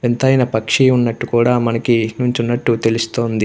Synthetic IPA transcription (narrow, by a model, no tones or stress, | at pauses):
ent̪ɐjnɐpɐkʂiːunːɐʈːukuːɽaːmɐnɐkinuɲt͡ʃunːɐʈːut̪e̞lust̪o̞ːnd̪i